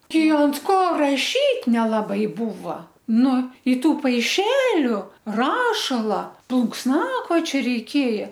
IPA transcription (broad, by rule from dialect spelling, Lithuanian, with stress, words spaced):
ˈtʲɛɪ ɐnt ˈkoː rɐˈʃʲiːtʲ nʲɛlˠɐˈbɐɪ ˈbuːʋɐ ˈnʊ ɪ ˈtuː pɐɪˈʃʲæːlʲʊ ˈrɑːʃɐlˠɐ plˠʊŋksˈnɑːkoːt͡ʃʲoː rʲɛɪˈkʲeːjɛ